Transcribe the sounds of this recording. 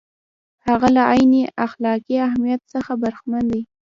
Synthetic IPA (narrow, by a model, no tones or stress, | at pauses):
haɣalaʔɑjneʔaxlɑkiahmijat̪səxabaɾxmand̪i